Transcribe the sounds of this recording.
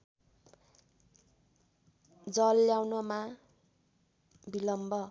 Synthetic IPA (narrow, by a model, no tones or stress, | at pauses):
d͡zʌlːjawnʌma | bilʌmbʱʌ